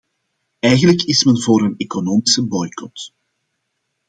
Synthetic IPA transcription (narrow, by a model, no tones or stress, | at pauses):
ɛjɣənləkɪsmɛnvoːɾəneːkonoːmɪsəbɔjkɔt